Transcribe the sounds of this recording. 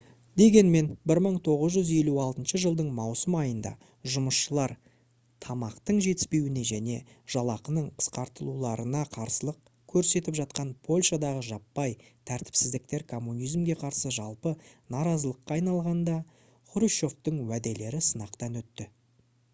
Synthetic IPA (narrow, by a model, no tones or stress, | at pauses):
d̪e̞ɡʲe̞nme̞nbɪɾməɴt̪ʰo̞ʁəzʒʏze̞luɑlˠt̪ənʃəʒəlˠd̪əɴmɑwsəmɑjənd̪ɑ̰ | ʒʊməsʃəlˠɑɾ | t̪ʰɑmɑqt̪əɴʒe̞t̪ɪ̥spe̞wɪne̞ʒæne̞ʒ̥ɑlˠɑqənəɴqʰə̥sqɑɾt̪əlˠulˠɑɾənɑqʰɑɾsəlˠəq | kʲʰɵɾse̞t̪ɪpʒɑt̪̚qɑnpʰo̞lʲʃad̪ɑʁəʒɑpːɑjt̪ʰæɾt̪ɪ̥psɪzd̪ɪk̚t̪e̞ɾkʰo̞mːunijzmɡʲe̞qʰɑɾsəʒɑlˠpənɑɾɑzəlˠəqːɑːjnɑlˠʁɑnd̪ɑ | χʊɾiʃo̞ft̪əɴwæd̪e̞le̞ɾɪsənɑqt̪ɑnwɵt̪ːɪ